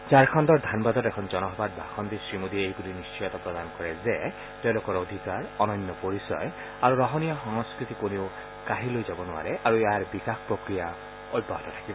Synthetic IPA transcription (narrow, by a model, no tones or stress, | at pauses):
zaɹkʰandɔɹd̪ʱanbad̪ɔtɛkʰɔnzɔnɔɦɔbad̚bʱaxɔnd̪isɹimod̪ʱiejbulinist͡ʃɔjɔt̪apɹɔd̪ankɔɹɛzɛ | tɛʊ̃lokɔɹod̪ʱikaɹɔnɔnːɔpoɹisɔ̰j | aɹuɹɔɦɔnijɔxɔŋɔskɹit̪ikoneʊ | kaɦilojzabɔnʊa̰ɹɛʔaɹuɛaɹbikakpɹokɹija | ojbɔɦɔtɔtʰḁkibɔ